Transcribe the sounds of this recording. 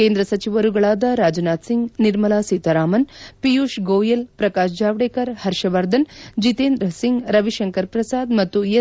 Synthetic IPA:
keːnd̪ɾɐsɐt͡ʃiʋɐɾuɡɐɭaːd̪ɐɾaːd͡ʒnaːt̪siŋɡniɾmɐlaːsit̪ɐɾaːmɐnpijuːʃɡoːjelpɾɐkaːʃd͡ʒaːʋɽeːkɐɾhɐɾʃɐʋɐɾd̪ɐnd͡ʒit̪eːnd̪ɾɐsiŋɡɾɐʋiʃɐŋkɐɾpɾɐsaːd̪mɐt̪ːue

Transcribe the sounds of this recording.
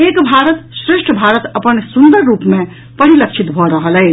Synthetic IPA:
ekbʱaɾət̪sɾesʈʰəbʱaɾət̪əpənsund̪əɾːupme | pəɽ̤ilək̚t͡ʃʰit̪bʱɔɾəɦəlɛɪ

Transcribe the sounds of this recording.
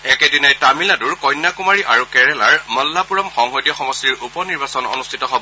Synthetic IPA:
ɛkɛdinajtamiladuɹkɔjnːakumaɹiʔaɹukɛɹɛlaɹmɔlːapuɹɔmxɔŋɦojdjɔxɔmɔstiɹupɔniɹbasɔnɔ̰nustʰitɔɦobɔ

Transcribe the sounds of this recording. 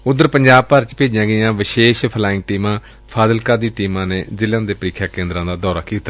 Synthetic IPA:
ʊd̪ːəɾpəɲd͡ʒaːb̚pəɾt͡ʃpeːd͡ʒãːɡəjãːʋɪʃeːʃpʰəlaːɪ̃ŋk̚ʈiːmãː | pʰaːzəlkəd̪iːʈiːmãːneːzɪlãːd̪eːpəɾɪkʰːjaːkẽːnd̪ɾãːd̪aːd̪ɔːɾaːkiːt̪a

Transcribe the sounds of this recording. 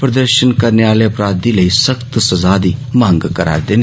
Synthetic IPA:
pɾɐd̪əɾʃənkɐɾneaːleɐpɾaːd̪iləisɐkt̪sɐzaːd̪imãːŋɡkɐɾa̰ːɾd̪eːn

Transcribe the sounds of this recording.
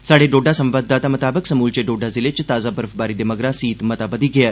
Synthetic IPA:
saɽeɖoɖasə̃mʋad̪ːat̪amət̪abəksəmult͡ɕeɖoɖad͡zilet͡ɕet̪ad͡zabəɾfbaɾid̪eməɡɾasiːt̪mət̪abəd̪iɡʱea

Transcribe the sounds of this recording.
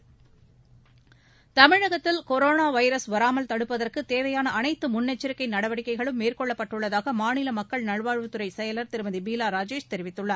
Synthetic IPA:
t̪ɐmɪɻɐɣɐt̪ːɪlkɔɾoːnaːʋɐɪɾɐsʋɐɾaːmɐlt̪ɐɽɯpːɐðɐrkɯt̪eːʋɐjaːnɐʔɐnɐɪt̪ːɯmʊnːɛt͡ʃːɪɾɯkːɐɪnɐɽɐʋɐɽɪkːɐɪɣɐɭɯmːeːrkɔɭːɐpːɐʈːɯɭːɐðaːɣɐmaːnɪlɐmɐkːɐɭnɐɻʋaːɻʋɯt̪ɯɾɐɪsɛjɐlɐɾt̪ɪɾɯmɐnðibiːlaːɾaːd͡ʒeːʂt̪ɛɾɪʋɪt̪ːɯɭːɐɾ

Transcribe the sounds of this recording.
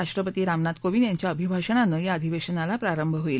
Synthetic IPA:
aʂʈɾəpət̪iːɾamnat̪koʋinjaɲt͡ɕjaəbʱibʱaɕəɳanəjaəd̪ʱiʋeɕənalapɾaɾəmbʱəɦoil

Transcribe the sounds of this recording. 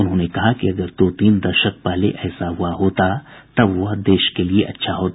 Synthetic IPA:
ʊnɦõːnekɐɦakiɐɡəɾt̪oːt̪iːnd̪ɐɾʃət̚paːleʔɛːsaɦʊwaɦoːt̪at̪ɐbʋɐd̪eːʃkelieʔɐtːʃʰaɦoːt̪

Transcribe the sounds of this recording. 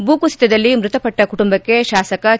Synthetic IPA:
buːkusi̥t̪ːɐd̪ɐlːimɾut̪ɐpɐʈːɐkuʈumbɐkːe̞ʃaːsɐkɐ

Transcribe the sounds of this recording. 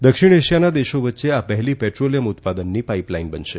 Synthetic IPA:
d̪əkʂiɽ̃eɕijanad̪eʃoʋət̪ːʃeapəɦliːpɛʈɾoljəmut̪pad̪ənːiːpaiplainbənʃe

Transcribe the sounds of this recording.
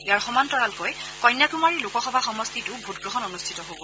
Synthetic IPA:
ijaɹxɔmantɔɹalkojkɔjnjakumaɹilukɔxɔbʱaxɔmɔstitʊbʱut̚ɡɹɔɦɔnɔnustʰitɔɦobɔ

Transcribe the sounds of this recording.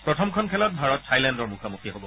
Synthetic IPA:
pɹɔtʰɔmkʰɔnkʰɛlɔt̚bʱaɹɔtsʰajlɛndɔɹmukʰamukiɦobɔ

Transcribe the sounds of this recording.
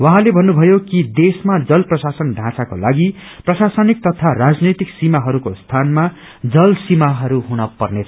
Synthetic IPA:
wʌɦãlebʱʌnːubʱʌjokid̪esmad͡zʌlprʌsasʌnɖʱãsako̰laɡiprʌsasʌnik̚t̪ʌt̪ʰarad͡znʌjt̪iksimaɦʌɾukost̪ʰanma | d͡zʌlsimaɦʌɾuɦunʌpʌrnet͡sʰʌ̥

